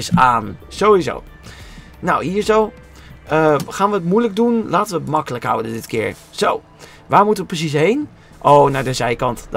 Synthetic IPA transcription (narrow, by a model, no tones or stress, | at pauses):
saːnz̥oːizo̰w | nawhiːəɹzoː | ʔəxaːnʋəətmujlək̚dunlaːtənʋətmɑkələkɦa̰wdədɪtkʰɪ̰əɹ | z̥ow | ʋaːɹmutəʋəprəs̬is̬ɦejn | ʔoːnadəzɛjkɑntd